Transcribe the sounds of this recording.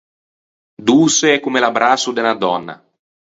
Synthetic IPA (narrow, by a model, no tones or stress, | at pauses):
d̪uːseɛkːumelabɾaːsud̪enad̪ɔnːa̰